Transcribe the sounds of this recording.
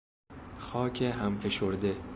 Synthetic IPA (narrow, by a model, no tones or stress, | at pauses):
xɒːcʰeɦæmfe̞ʃoɾd̪e